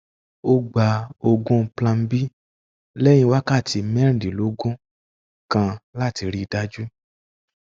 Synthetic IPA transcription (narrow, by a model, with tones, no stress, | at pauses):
o˦ɡ͡ba˧o˧ɡũ˦˧plã˧m̩˦bi˦ | lɛ˦j̃ĩ˧˦wa˦ka˦˨ti˧mɛ̃˦ɾ̃di˨lo˨˦ɡũ˦ | kã˧la˦˨ti˧ɾi˦˧da˦d͡ʒu˦